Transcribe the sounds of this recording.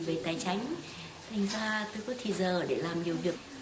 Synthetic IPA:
ve˨˩t̪aː˨˩jt͡ɕa˨˦jŋ̟ | t̪ʰa˨˩jŋ̟zaː˧t̪o˧jkɔ˨˦t̪ʰi˧˨˩zəː˨˩ɗe˧˩laː˨˩mɲi˨˩əwvi˨˩ək̚

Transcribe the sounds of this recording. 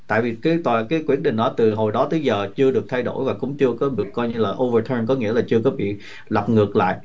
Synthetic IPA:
t̪a̰ː˧˨jvi˨˩kaː˨˦jt̪wa̰ː˧˨kaː˨˦jkwi˦˥əɗḭ˧˨ŋ̟ɗɔ˨˦t̪ɨ˨˩ɦo˨˩jɗɔ˨˦t̪ɨ˨˦jzəː˨˩t͡ɕɨ˧əɗɨ˨˩ək̚t̪ʰa˧jɗo̰˧˩jvaː˨˩kʊ̰˧˥wŋ͡mt͡ɕɨ˧əkɔ˨˦ɗɨ˨˩əkːɔ˧jɲɨ˧laː˨˩ʔo˧və˧t̪ʰəː˧nkɔ˨˦ŋi˧˥əlaː˨˩t͡ɕɨ˧əkɔ˨˦ɓḭ˧˨ | la˨˩p̚ŋɨ˨˩ək̚la̰ː˧˨jʔ

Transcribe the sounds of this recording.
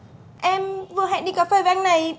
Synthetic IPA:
ʔɛ˧mvɨ˨˩əɦa̰˧˨nɗi˧kaː˨˩fɛː˧˩ve˨˧˨a˧ŋna˨˩j

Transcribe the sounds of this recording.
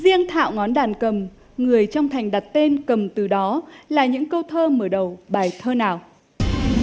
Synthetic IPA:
zi˧əŋt̪ʰa̰ː˧˨wŋɔ˨˦nɗaː˨˩nkə˨˩m | ŋɨ˨˩əjt͡ɕɔ˧wŋ͡mt̪ʰa˨˩jŋ̟ɗa˨˩t̚t̪e˧nkə˨˩mt̪ɨ˨˩ɗɔ˨˦laː˨˩ɲɨ̰˧˥ŋkə˧wt̪ʰəː˧məː˧˩ɗə˨˩wɓaː˨˩jt̪ʰəː˧naː˨˩w

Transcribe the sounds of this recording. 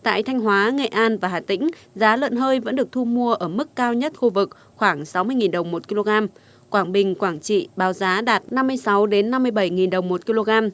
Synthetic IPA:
t̪a̰ː˧˨jt̪ʰa˧jŋ̟ɦwaː˨˦ŋḛ˧˨ʔaː˧nvaː˨˩ɦaː˨˩t̪ḭ̈˧˥ŋ̟zaː˨˦lə̰˧˨nɦəː˧jvə̰˧˥nɗɨ˨˩ək̚t̪ʰu˧mu˧əʔəː˧˩mɨ˦˥kːaː˧wɲə˦˥t̚xu˧vɨ˨˩k̚ | xwaː˧˩ŋsa˨˦wmɨ˧əjŋi˨˩nɗə˨˩wŋ͡mmo˨˩t̚ki˧lo˧ɣaː˧m | kwaː˧˩ŋɓï˨˩ŋ̟kwaː˧˩ŋt͡ɕḭ˧˨ɓaː˨˦wzaː˨˦ɗaː˨˩t̚na˧mːɨ˧əjsa˨˦wɗe˨˦nːa˧mːɨ˧əjɓə˧˩jŋi˨˩nɗə˨˩wŋ͡mmo˨˩t̚ki˧lo˧ɣaː˧m

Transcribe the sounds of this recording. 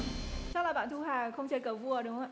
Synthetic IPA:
t͡ɕa˦˥laː˨˩ɓa̰ː˧˨nt̪ʰu˧ɦaː˨˩xə˧wŋ͡mt͡ɕəː˧˩jkəː˧˩vu˧ə˧ɗʊ˨˦ŋ͡mə˧˩˨

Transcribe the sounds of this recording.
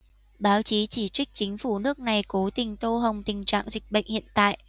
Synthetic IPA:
ɓaː˨˦wt͡ɕi˨˦t͡ɕi˧˩t͡ɕï˦˥k̟̚t͡ɕï˨˦ŋ̟fu˧˩nɨ˦˥ək̚na˨˩jko˨˦t̪ï˨˩ŋ̟t̪o˧ɦə˨˩wŋ͡mt̪ï˨˩ŋ̟t͡ɕa̰ː˧˨ŋzï˨˩k̟̚ɓə̰˧˨jŋ̟hḭ˧˨ənt̪a̰ː˧˨j

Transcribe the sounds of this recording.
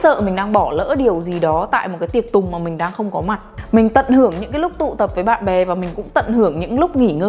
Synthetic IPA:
sə̰ː˧˨mï˨˩ŋ̟ɗaː˧ŋɓɔ˧˩lə̰ː˧˥ɗi˨˩əwzi˨˩ɗɔ˨˦t̪a̰ː˧˨jm̚˨˩kaː˨˦jt̪i˨˩ə˩k̚t̪ʊ˨˩ŋ͡mmaː˨˩mï˨˩ŋ̟ɗaː˧ŋxə˧wŋ͡mkɔ˨˦ma˨˩t̚mï˨˩ŋ̟t̪ə̰˧˨nhɨ˧˩əŋɲɨ̰˧˥ŋkaː˨˦jlʊ˦˥k͡p̚t̪ṵ˧˨t̪ə˨˩p̚vəː˨˦jɓa̰ː˧˨nɓɛ˨˩vaː˨˩mï˨˩ŋ̟kʊ̰˧˥ŋ͡mt̪ə̰˧˨nhɨ˧˩əŋɲɨ̰˧˥ŋlʊ˦˥k͡p̚ŋi˧˩ŋəː˧

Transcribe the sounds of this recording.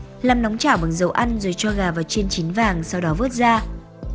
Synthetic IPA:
laː˨˩mnɔ˨˦wŋ͡mt͡ɕaː˧˩wɓa˨˩ŋzə˨˦wʔa˧nzo˨˩jt͡ɕɔ˧ɣaː˨˩vaː˨˩wt͡ɕi˧ənt͡ɕi˨˦nvaː˨˩ŋsa˧wɗɔ˨˦vɨ˦˥ət̚zaː˧

